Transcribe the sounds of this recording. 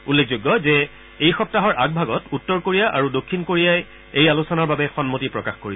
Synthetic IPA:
ulːek̚ʰzoɡːɔzɛ | ejxɔp̚taɦɔɹʔaɡ̚bʱaɡɔtutːɔɹkoɹijaʔa̰ɹudokʰːinkoɹijaj | ejalusɔnaɹbabɛxɔnmotipɹɔkaxkoɹi

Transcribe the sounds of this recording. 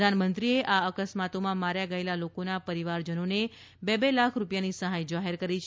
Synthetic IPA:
anmənt̪ɾieʔaəkəsmat̪omãmaɾjaɡəelalokonapəɾiʋaɾd͡ʒənone | bebelakʰɾupjanisəɦajd͡ʒaɦeɾkəɾit͡ʃʰ

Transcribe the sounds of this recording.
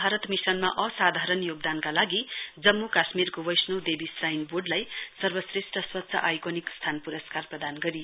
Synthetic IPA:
bʱaɾʌt̪misʌnmaʔʌsad̪ʱaɾʌnjoɡ̚d̪ankalaɡid͡zʌmːukasmirkobʌjsnowd̪ebisrajnboɖlajsʌrbʌsresʈʰʌswʌtːsʰʌ̰ʔajkonikst̪ʰanpuɾʌskarprʌd̪anɡʌɾi

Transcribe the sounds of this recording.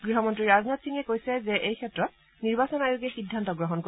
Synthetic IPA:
ɡ̥ɹiɦɔmɔntɹiɹaznatsinɛkojsɛzɛʔejkʰɛtɹɔt | niɹbasɔnajoɡiɛxidʱːantɔɡɹɔɦɔnko

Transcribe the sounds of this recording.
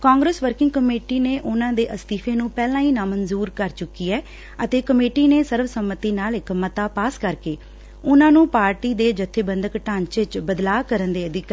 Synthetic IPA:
kãːŋɡɾeːsʋəɾkɪ̃ŋɡkəmeːʈiːneːʔʊnãːd̪eːʔəst̪iːpʰeːnũːpɛːlãːiːnãːmənzuːɾkəɾt͡ʃʊkːiːɛː | ət̪eːkəmeːʈiːneːsəɾʋsəmːət̪iːnaːlɪkmət̪aːpaːskəɾkeː | ʊnãːnũːpaːɾʈiːd̪eːd͡ʒət̪ʰːeːbənd̪əkʈaːɲt͡ʃɪt͡ʃbəd̪laːkəɾənd̪eːəd̪ɪk

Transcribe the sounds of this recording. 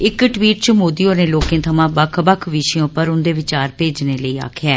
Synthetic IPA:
ɪkʈʋiːʈt͡ʃmoːd̪iːoːnẽːloːkẽːt̪ʰəmãːbəkʰbəkʰʋɪʃẽʊpːəɾʊnd̪eːʋɪt͡ʃaːɾpeːd͡ʒneːləiːa̰ːkʰjɛː

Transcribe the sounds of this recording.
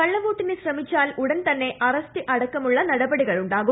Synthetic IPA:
kɐɭːɐmuːʈːinɨɕrɐmit͡ɕːaːluɽɐnt̪ɐnːe̞ʔɐrɐstɨʔɐɽɐkːɐmuɭːɐnɐɽɐbɐɽiɣɐɭuɳɖaːɣu

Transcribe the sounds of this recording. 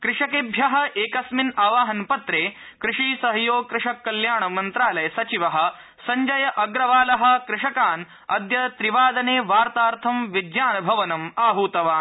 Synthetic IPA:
kɾɪʂɐkebʱjɐɦɐ̆ʔeːkɐsminaːʋaːɦɐnpɐt̪ɾeː | kɾɪʂiːsɐɦɐjoːkɾɪʂɐkːɐljaːɳɐmɐnt̪ɾaːlɐjɐsɐt͡ʃiʋɐɦɐ̆ | sɐɲd͡ʒɐjɐʔɐɡɾɐʋaːlɐɦɐ̆kɾɪʂɐkaːn | ɐd̪jɐt̪ɾiʋaːd̪ɐneːʋaːɾt̪aːɾt̪ʰɐmʋid̪jaːnɐbʱɐʋɐnɐmaːɦuːt̪ɐʋaːn

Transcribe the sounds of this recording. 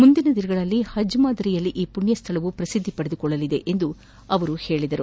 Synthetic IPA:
mund̪inɐd̪iɾɐɡɐɭɐlːihɐd͡ʒmaːd̪ɐɾijɐlːiʔiːpuɳjɐst̪ʰɐlɐʋupɾɐsid̪ʱːipɐɽed̪ukɔɭːɐlid̪e̞̰ʔend̪u | ɐʋɐɾuhe̞ːɭid̪ɐɾu

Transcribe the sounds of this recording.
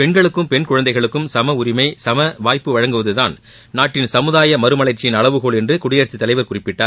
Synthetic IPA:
pɛɳɡɐɭɯkːɯmpɛnkʊɻɐnd̪ɐɪɣɐɭɯkːɯmsɐmɐʊɾɪmɐɪsɐmɐʋaːjpːɯʋɐɻɐŋɡɯʋɐðɯðaːn | naːʈːɪnsɐmɯðaːjɐmɐɾɯmɐɭɐɾt͡ʃːɪjɪnɐɭɐʋɯɣoːɭɛndrɯkʊɽɪjɐːɾsit̪ːɐlɐɪʋɐɾkʊrɪpːɪʈːaːɾ

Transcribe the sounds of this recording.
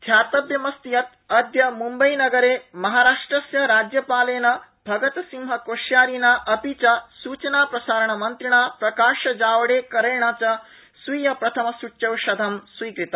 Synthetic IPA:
d̪ʰʱjaːt̪ɐbjɐmɐst̪ijɐt̪ | ɐd̪jɐmumbɐjnɐɡɐɾeːmɐɦaːɾaːʂʈɾɐsjɐɾaːd͡ʒjɐpaːleːnɐ | bʱɐɡɐt̪ɐsimɦɐkoːʃjaːɾinaːʔɐpit͡ʃɐsuːt͡ʃɐnaːpɾɐsaːɾɐɳ̃ɐmɐnt̪ɾiɳ̃aːpɾɐkaːʃɐd͡ʒaːʋɐɽeːkɐɾeːɳaːt͡ʃɐ | sʋiːjɐpɾɐt̪ʰɐmɐsuʈʃɐʋʃɐd̪ʱɐmsʋiːkɾit̪ɐ

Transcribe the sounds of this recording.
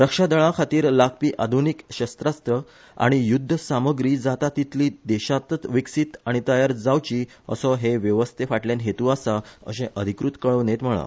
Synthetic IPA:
ɾəkʂad̪əɭãkʰat̪iːɾlak̚piːʔad̪ʱunikɕəst̪ɾast̪ɾə | a̰ɽ̃ijud̪ʱːəsaməɡɾiːd͡zat̪at̪it̪liːd̪ɛɕat̪ət͡sʋiksit̪aɽ̃it̪əjaɾd͡zawt͡ɕiː | ə̰sɔɦeʋjəʋəst̪ʰefaʈljanɦet̪uasaə̰sẽʔəd̪ʱikɾut̪kəɭənet̪m̤əɭa̰

